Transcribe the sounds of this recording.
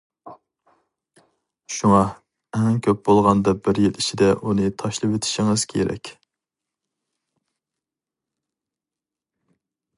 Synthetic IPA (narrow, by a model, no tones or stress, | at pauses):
ʃuŋɑ | ɛŋkʲʰøp̚bolˠʁɑnd̪ɑbɪɾjilˠit͡ʃʰid̪ɛʔunɨt̪ʰɑʃlˠɨpwet̪ʰɪ̥ʃiŋɨz̥kʲʰeɾɛ̰kʲ